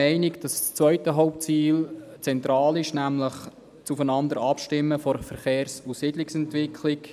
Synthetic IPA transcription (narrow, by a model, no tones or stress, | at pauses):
ɛɪnɪɡd̥ɑst͡sʋvœʏtəɦɔʊp̚t͡siːlt͡sɛnt̪ɾɑːlɪʃnæmləχ | t͡sufənɑnd̪əɾɑpʃtɪmːəfɔɾfəɾχeːɾsusidlɪksɛntʋɪkʰlɪk